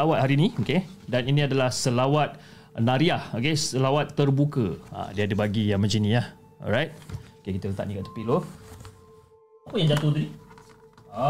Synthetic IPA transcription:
awat̪̚haɾinĩokedaninĩadalahsəlawat̪̚ | naɾiahokesəlawat̪ːərbukəa̰diadəbaɡijaŋməd͡ʒinĩah | ɔ̰ɹajt̚okekit̪ələt̪a̰ʔ̚nikat̪ə̥pilo | apəjãŋd͡ʒat̪od̪udi

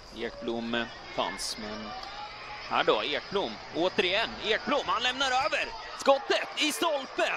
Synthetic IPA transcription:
eːʈ̚blʊmːə | fa̰nsmɛn | hæ̰ːɖɔeːʈ̚blʊmː | oːt̪əɾɪjɛnːeːk̚blʊmːhanlɛmnaɾøːvəɾ | skɔt̪ːət̪ɪst̪ɔlpə

